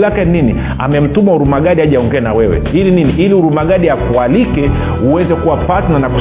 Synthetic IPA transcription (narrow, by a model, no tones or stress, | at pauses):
lakɛnini | a̰mɛm̩tumauɾumaɡaɗiaʄaɔŋɡɛanawɛwɛ̰ilininiʔiliuɾumaɠaɗiakualikɛ | uwɛzɛkuwapatananaku